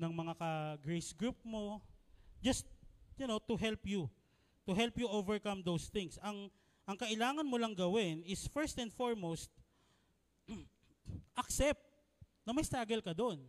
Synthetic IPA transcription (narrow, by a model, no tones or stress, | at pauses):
nɐŋmɐŋakɐɡɹejsɡɹup̚mo̞ | d͡ʒɐst̪̚jʊnot̪ʊɦɛlpju | t̪ʊɦɛlpjʊʔovɛɹkɐmd̪owsθɪŋsɐŋ | ʔɐŋkɐʔɪlaːŋɐnmolɐŋɡɐwɪnɪsfɛɹst̪ɛnd̪foɹmost̪̚ | ʔɐksɛp̚t̪̚ | nɐmɐjst̪aːɡɛlkɐd̪oʔn